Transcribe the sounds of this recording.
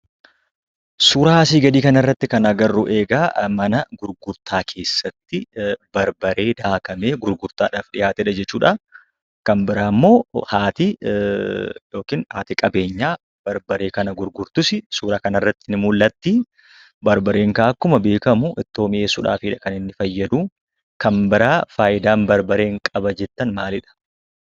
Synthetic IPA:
suːɾaːsiːɡɐd̪iːkɐnɐɪrːɐt̪ːɪkɐnɐɡɐrːuʔe̞ːɡaːmɐnɐɡʊɾɡʊɾt̪ʰaːkʰe̞ːsːɐt̪ːɪbɐɾbɐɾe̞ːd̪aːkɐme̞ːɡʊɾɡʊɾt̪aːᶑaːfᶑɪjaːt̪ɛᶑɐd͡ʒɛt͡ʃːuːᶑa | kɐnbɪɾaːmːo̞ːhaːt̪ɪ | jo̞ːkinhaːt̪ɪkʼɐbe̞ːɲːaː | b̥ɐɾbɐɾe̞ːkɐnɐɡʊɾɡʊɾt̪ʊsɪsuːɾaːkɐnɐrːɐt̪ːɪnɪmʊlːɐt̪ːɪ | bɐɾbɐɾe̞ːŋkaʔɐkːʊmɐbe̞ːkɐmʊʔɪt̪ːo̞ːmɪeːsʊᶑa̰ːfiːᶑɐkɐnɪnːɪfɐjːɐd̪uː | kɐmbɪɾaːfaːʔɪd̪aːnbɐɾbɐɾe̞ːŋkʼɐbɐd͡ʒɛt̪ːɐnmaːlɪᶑɐ̥

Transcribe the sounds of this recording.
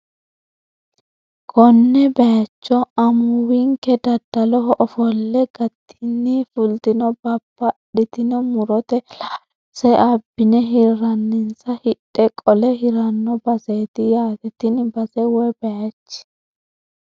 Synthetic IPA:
kʰɔnːɛbɛjɐt͡ʃːɔɐmʊwɪŋkɛd̪ɐd̪ːɐlɔɦɔʔɔfɔlːɛɡ̥ɐt̪ʰːɪnːifʊlt̪ɪnɔbɐbːɐɗɪt̪ɪnɔmʊɾɔt̪ɛ | sɛʔɐbːɪnɛɦɪɾɐnːɪnsɐhɪɗʼːɛkʼɔlɛɦɪɾɐnːɔbɐseːt̪ɪjaːɡɛt̪ɪnbɐsɛwɛbɛjɐt͡ʃːɪ̥

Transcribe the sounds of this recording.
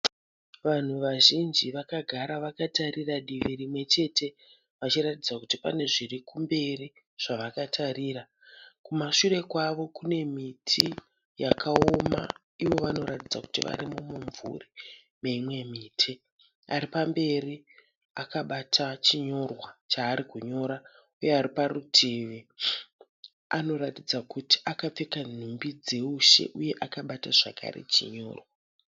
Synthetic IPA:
ʋan̤uʋaʒind͡ʒiʋakaɡʱaɾaʋakatariraɗiʋiɾimwe̞t͡ʃe̞te̞ | ʋat͡ʃiɾatid͡zakutipa̰ne̞ʐirikumbe̞ri | ʐ̥aʋakatʰaɾiːɾa | kumaʂure̞kwaʋo̞kune̞mitʰi | jakʰao̞ma̰ | iʋo̞ʋano̞ɾatid͡zaku̥tiʋa̰ɾimumuɱvṵri | meimwe̞miːtʰi | aɾipambe̞ri | akaɓatʰat͡ʃiɲo̞rwat͡ʃaːɾikuɲo̞ɾa | uje̞aɾiparutʰeːʋe | ano̞ɾatid͡zakuti̥akap͡fekan̤umbid͡ze̞uʃe̞̰ʔuje̞ʔakaɓataʐakʰa̰ɾḛt͡ʃiɲo̞̰ːrwa

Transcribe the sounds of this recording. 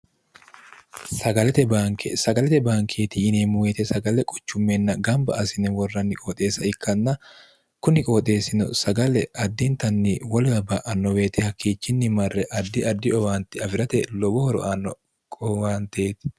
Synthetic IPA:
sɐɡɐlɛt̪ɛbaːŋkʰḛsɐɡɐlɛt̪ɛbaːŋkʰeːt̪ɪɪneːmʊweːt̪ɛsɐɡɐlɛkʼɔ̥t͡ʃːʊmːɛnːɐɡɐmbɐ̰ɐsɪnɛwɔrːɐnːɪkʼoːt̪ʼe̞ːsɐɪkːɐnːɐ | kʊnɪkʼoːt̪ʼe̞ːsɪnɔ̰sɐɡɐlɛʔɐd̪ːint̪ɐnːiwɐlɐbɐʔɐnːɔwe̞ːt̪ɪhɐkːiːt͡ʃːɪnːɪmɐrːɛʔɐd̪ːɪɐd̪ːɪɔwaːnt̪ɪɐfɪɾɐt̪ɛlɔbɔhɔɾɔ̰ʔanːɔ | kʼɔaːnt̪eːt̪ɪ̥

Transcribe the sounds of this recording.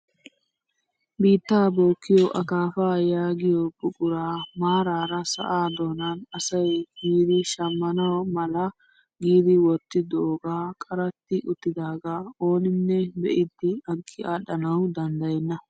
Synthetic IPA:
biːt̪ːaːboːkːɪjɔʔɐkaːfaːjaːɡɪjɔbʊkʼʊɾaːmaːɾaːɾɐsɐ̰ʔaːd̪o̞ːnanɐsɐjɡiːd̪ɪʃɐmːɐnɐwmɐlɐ | ɡiːd̪ɪwɔt̪ːɪd̪oːɡaːkʼɐɾɐt̪ːɪʔʊt̪ːɪd̪aːɡao̞ːnɪnːɛbɛʔɪd̪ːɪɐŋkʼːɪʔaːɗɐnɐwd̪ɐnd̪ɐjɛnːɐ

